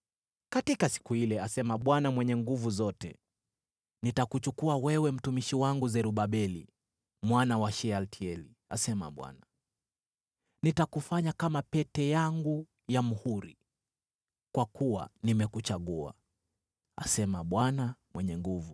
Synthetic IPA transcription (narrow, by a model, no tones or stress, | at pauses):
katikasi̥kuhilɛasɛmaɓwanamwɛɲɛŋɡuvuzɔtɛ̰ | nitakut͡ʃukuawɛwɛm̩tumiʃiwaŋɡuzɛɾuɓaɓɛli | mwanawaʃɛaltʰiɛli | a̰sɛma̰ɓwa̰na | nitakufaɲakamapɛtɛjaŋɡu | jamuhuɾi | kwakuwa̰nimɛkut͡ʃaɠua̰ | a̰sɛmaɓwanamwɛɲɛŋɡuvu